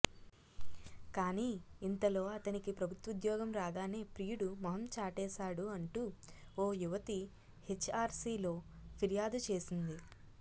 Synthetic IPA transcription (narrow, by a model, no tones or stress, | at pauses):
kaːniːnt̪ɐlo̞ːɐt̪ɐnikipɾɐbʱut̪ʋud̪jɔːɡɐmɾaːd̪aːneːpɾiːjuɽumɐɦɐmt͡ʃaːʈɛːʃaːɽuɐɳʈuː | oːjuʋɐt̪i | het͡ʃːaːɾsiːlo̞ː | pʰiɾjaːd̪ut͡ʃe̞ːsind̪i